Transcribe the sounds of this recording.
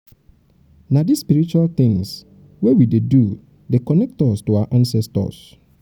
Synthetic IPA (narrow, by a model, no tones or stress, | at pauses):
nadispiɾit͡ʃualt̪ɪ̃ŋs | wɛwidedu | dekɔnɛk̚tɔstuaaʔãnsɛstɔ̰s